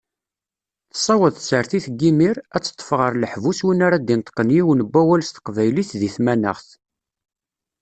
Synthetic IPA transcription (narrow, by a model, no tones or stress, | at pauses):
θə̥sˤɑwəðˤθsəɾθiθɡːimiɾæt͡sːə̥t̪ˤːə̥fʁəɾˤləħvuswinaɾad̪int̪ˤqːənjiwnəbʷːæwælst̪ə̥qvæjliθðiθmænə̰ʁθ